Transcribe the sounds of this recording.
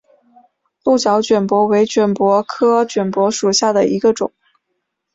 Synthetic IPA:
lu˥˩t͡ɕjɑ˧˥ʊt͡ɕɥɛ˨˩npwɔ˧˥we˧˥ɪt͡ɕɥɛ˨˩npwɔ˧˥kʰɤ˥t͡ɕɥɛ˨˩npwɔ˧˥ʂu˨˩ɕja˥˩d̪ə˩i˧˥ɡə˧ʈ͡ʂʊ̰˨˩˦ŋ

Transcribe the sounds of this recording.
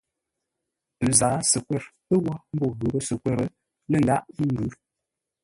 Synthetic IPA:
n̩˨zaː˨˦sə˨kwɛ˦˨ɾ | ə˦wɔ˦m̩˦bɔ˦˨ɣə˨˦bə˦sə˨kwɛ˦˨ɾə˨ | lə˨ŋda̰˦ʔi˦n˨dʉ˨˦ɾ

